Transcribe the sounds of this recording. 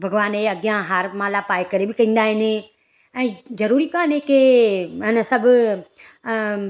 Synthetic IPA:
bʱɐɡʋaːneɐɡjãɦaːɾmãːlapaːekɐɾebɪkɐ̃ĩːnd̪aːɦɪnɪ | ɛ̃ːzɐɾuːɾikaːnekeɪnəsɐbʱ

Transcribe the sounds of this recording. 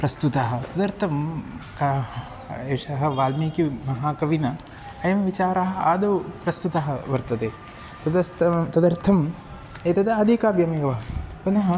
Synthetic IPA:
pɾɐst̪ut̪aɦɐ̆t̪ɐd̪ɐɾt̪ʰɐmka | eːʂɐɦɐ̆ʋaːlmiːkimɐɦaːkɐʋinɐ | ɐjɐmʋit͡ʃaːɾaːɦɐ̆aːd̪ɐpɾɐst̪ut̪ɐɦɐʋɐɾt̪ɐd̪eː | t̪ɐd̪ɐst̪ɐt̪ɐd̪ɐɾt̪ʰɐm | et̪ɐd̪ɐɐd̪ʱikaːbjɐmeːʋɐɐpunɐɦɐ

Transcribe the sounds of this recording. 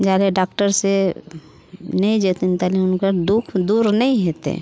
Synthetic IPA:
d͡ʒaːleɖaːkʈəɾse | nɐĩd͡ʒet̪int̪aliʊnkad̪ukʰd̪uːɾnɐĩɦeːt̪ḛ

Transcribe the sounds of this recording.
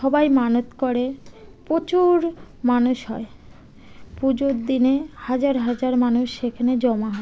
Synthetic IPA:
ʃɔbajmanot̪koɾepot͡ɕuɾ | manuʃɦɔe | pud͡ʑoɾd̪inehad͡ʑaɾɦad͡ʑaɾmanuʃʃekʰaned͡ʑɔmaɦɔe

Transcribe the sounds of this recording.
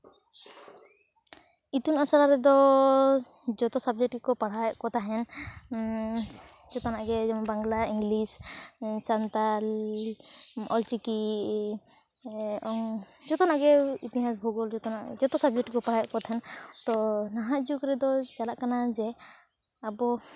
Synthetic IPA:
it̪unasaɾaɾɛd̪ɔ | d͡ʒɔt̪ɔsab̚d͡ʒɛʈikɔpaɽ̤ajɔʔkɔt̪aɦɛn | d͡ʒɔt̪ɔnaʔɡɛbaŋɡlaiŋɡlissant̪al | ɔlt͡ʃiki | ɔŋd͡ʒɔt̪ɔnaɡɛḭt̪iɦas̬bʱuɡɔld͡ʒɔt̪ɔna̰d͡ʒɔt̪ɔsab̚d͡ʒɛʈikɔpaɽajɔʔkɔt̪aɦɛnt̪ɔnaɦaʔd͡ʒukɾɛd̪ɔd͡ʒalaʔkanad͡ʒɛ | abɔ

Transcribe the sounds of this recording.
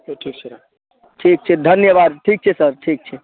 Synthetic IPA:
ʈʰik | ʈʰik̚t͡ʃʰɛd̪ʱənjəβad̪ʈʰik̚t͡ʃʰɛsəɾʈʰik̚t͡ʃʰɛ

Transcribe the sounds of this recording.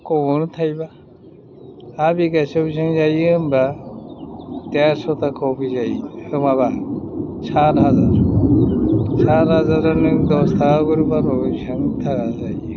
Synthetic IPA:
kɔɔnt̪ʰajba | biɡasɔbis̬aŋzajɯɯmba | t̪eɾsɔt̪ʰakʰɔpʰizajɯmaba | sʰaɾɦazaɾ | sʰaɾɦazaɾanɯd̪ɔst̪ʰakaɡɯɾupanɔbisaŋt̪ʰakʰazaj

